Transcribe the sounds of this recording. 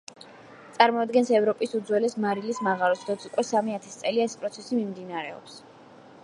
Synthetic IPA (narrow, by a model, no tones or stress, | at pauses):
t̪sʼaɾmɔad̪ɡɛnsɛvɾɔpʼisud̪zwɛlɛsmaɾilismaʁaɾɔsd̪ɔt̪sʰukʼwɛsamiat̪ʰɛst̪sʼɛliaɛspʼɾɔt̪sʰɛsimimd̪inaɾɛɔ̰ps